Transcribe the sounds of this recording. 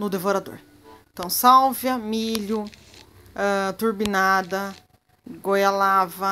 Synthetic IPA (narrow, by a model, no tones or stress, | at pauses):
nʊd̪evoɾad̪o̰ɾ | ẽt̪ɐ̃w̃sawvjɐmiʎʊ | ɛt̪uɾbinad̪ɐ | ɡojalavɐ